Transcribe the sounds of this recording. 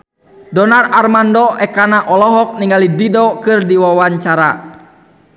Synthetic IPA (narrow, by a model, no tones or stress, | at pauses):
dɔnararmandɔɛkanaʔɔlɔɦɔk̚niŋɡalididɔkɨrdiwawaɲt͡ʃaɾa